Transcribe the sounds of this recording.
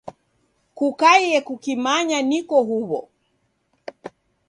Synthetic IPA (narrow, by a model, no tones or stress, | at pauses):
kukajɛkukimaɲanikɔɦuβɔ̰